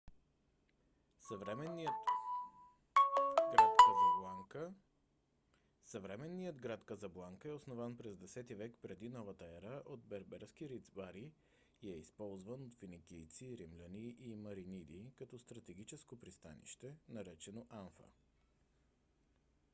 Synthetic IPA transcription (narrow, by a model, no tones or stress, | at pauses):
səvɾɛmɛniət̪ | ɡɾat̪kəzˠaŋk | sɐvɾɛmɛnːijəd̪ɡɾat̪kəzɐblˠaŋkəɛosnovanpɾɛzd̪ɛsɛt̪ivɛkpɾɛd̪inɔvət̪əɛɾəʔod̪bɛɾbɛɾskiɾid̪zbaɾi | ɛispɔlˠzvənot̪finikʲijt̪siɾimlʲəniʔimɐɾinid̪ikɐt̪ɔst̪ɾɐt̪ɛɡ̟it͡ʃɛskopɾist̪a̰nḭʃt̪ɛnɐɾɛt͡ʃɛnoʔanfə̰